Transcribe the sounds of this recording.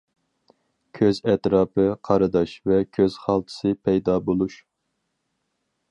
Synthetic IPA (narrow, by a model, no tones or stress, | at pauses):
kʲʰøzɛt̪ɾɑːpɨqʰɑɾɨd̪ɑʃvɛkʲʰøz̥χɑlˠt̪ʰɨ̥sɨpʰɛjd̪ɑbolˠuʃ